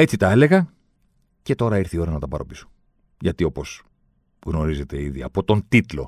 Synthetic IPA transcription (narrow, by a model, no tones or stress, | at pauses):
e̞t͡sit̪ɐe̞le̞ɣɐ | ce̞t̪o̞ɾɐiɾθio̞ɾɐnɐt̪ɐpɐɾo̞piso̥ | ʝɐt̪io̞po̞z | ɣno̞ɾize̞t̪e̞iðiɐ̰po̞t̪o̞nt̪it̪lo̞̰